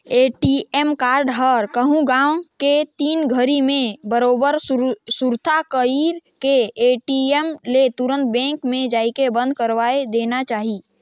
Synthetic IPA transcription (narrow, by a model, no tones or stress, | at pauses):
eːʈiemkaːɾɖɦəɾkəɦũɡãwket̪iːnɡʱəɾimẽbəɾoːbəɾsuɾt̪ʰakəiɾkeeːʈiemlet̪ʊɾə̃nt̪̚bɛ̃ːŋkmẽd͡ʒaːikebə̃nd̪̚ʱkəɾʋaːed̪eːnat͡ʃaːɦi